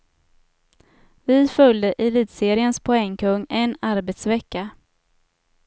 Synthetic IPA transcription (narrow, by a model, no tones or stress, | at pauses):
vɪfœld̪əʔɪliːd̪seːɾɪənspʰʊɛŋːkʰɵŋːɛnːaɾbɛt̪svɛkːa